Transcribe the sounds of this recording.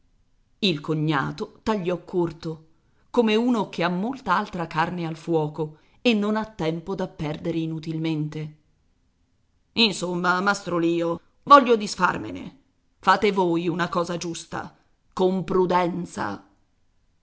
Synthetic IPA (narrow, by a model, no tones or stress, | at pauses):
ilkoɲːa̰ːt̪ot̪aʎːɔkʰːort̪o | komeuːnokʰeamːolt̪aalt̪ɾakarnealfwɔːko | enːonat̪ːɛmpod̪apːɛrd̪eɾeinut̪ilment̪e | insomːamast̪ɾoliːo | vɔʎːod̪isfa̰rmḛnḛ | faːt̪evoːjunakɔːzad͡ʒust̪a̰ | kompɾud̪ɛnt̪sa̰